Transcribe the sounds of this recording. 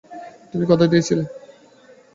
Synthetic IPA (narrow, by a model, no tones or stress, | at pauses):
t̪umikɔt̪ʰad̪iet͡ɕʰilen